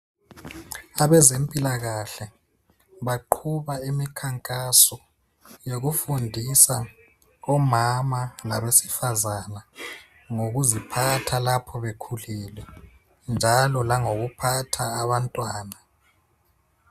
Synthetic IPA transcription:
aβɛzempʼilaɣaɬɛ | βaǃʰuβaimikʰaŋkʼasɔ | joɣufundʱisa | ɔmamalaβesi̥fazana | ŋoɣuzipʰatʰalapʰɔβekʰulɛːlwɛ | nd͡ʒʱalɔlaŋoɣupʰatʰaːβantʼwaːna

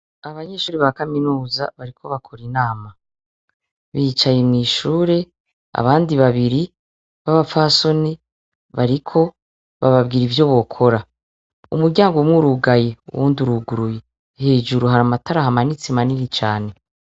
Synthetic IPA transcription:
aβaɲe̞ʃuːɾiβakaminuːzaβaɾikʰo̞βakʰo̞ɾinaːma | βiːt͡ʃajemŋiːʃuːɾe̞ | a̰βaːndiβaβiɾi | βaβafaso̞ni | βaɾikʰo̞ | βaβabɡiːɾivjo̞βo̞kʰo̞ɾa | ṵmuɾɟaːŋɡoumŋuːɾuɡajeṵwuːnduɾuɡuɾuje | he̞ːd͡ʒuɾuɦaɾamataɾahamanit͡semaniɾit͡ʃa̰ːne̞

